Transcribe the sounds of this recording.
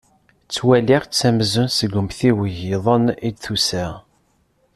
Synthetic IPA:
t͡sːwæliʁt͡sːæmzənsəɡʷʊmθiwəʝiðˤənid̪θusæ

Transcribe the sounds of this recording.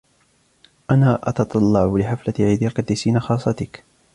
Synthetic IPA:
ʔanaːʔɑ̰t̪ɑt̪ˤɑlːɑʕʊlɪħaflat̪ʕid̪alkat̪ɪsiːnaxɑːsˤːɑt̪ɪk

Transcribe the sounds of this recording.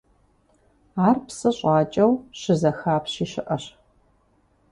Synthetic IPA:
aːrpsɨɕʼɑːt͡ʃʼɐwɕɪzɐxaːpɕiːɕɪʔɐɕ

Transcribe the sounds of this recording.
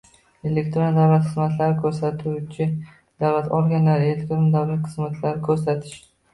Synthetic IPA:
e̞lekʲt̪ɾond̪awlat̪χɨzmat̪laɾɪkʲʰɵɾsat̪ʰut͡ʃʰɪ | d̪̥awlat̪ʰɒlˠɡʲanlaɾɪelek̚ʲt̪ɾond̪awlat̪χɨzmat̪ʰlaɾɪkʲʰɵɾsat̪ʰɪ̥ʃd̪ɪ̥

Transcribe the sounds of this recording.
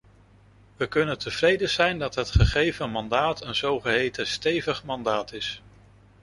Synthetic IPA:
ʋəkɵnəntʰəv̥rejdəz̥ɛjndɑtɦətχəχejvənmɑndaːtənzowχəɦejtəstejvəχmɑndaːtɪs

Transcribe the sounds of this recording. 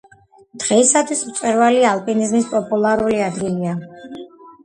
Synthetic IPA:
d̪̥ʁɛisat̪ʰwismt̪sʼɛɾvaliaːlˠpʼinizmispʼɔpʼulˠaɾuliad̪ɡilia

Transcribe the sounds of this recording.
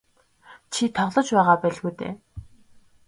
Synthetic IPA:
t͡ɕʰit̪ʰɔʁɮɞ̆t͡ɕpæːʁaːpæːɮɣuːjt̪ḛː

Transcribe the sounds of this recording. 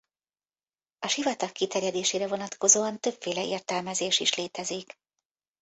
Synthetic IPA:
ɒʃivɒt̪ɒkːit̪ɛrjɛd̪eːʃeːɾɛvo̞nɒt̪ko̞zoːɒnt̪ø̞pfeːlɛḛːrt̪ɛlmɛzeːʃiʃleːt̪ɛzik

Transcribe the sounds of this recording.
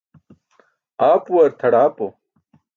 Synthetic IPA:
aːpuwɐɾt̪ʰɐɽaːpo

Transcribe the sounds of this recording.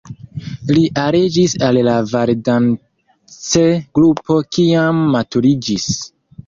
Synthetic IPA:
liʔaɾed͡ʒisallavaɾdan | t͡seɡ̥ɾupʰo̞kiamːatuɾid͡ʒis

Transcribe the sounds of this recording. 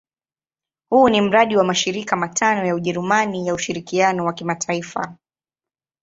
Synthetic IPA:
hunim̩ɾaɗiwamaʃiɾikamatʰanɔjauʄɛɾumanijauʃiɾikianɔwakimatʰaifa

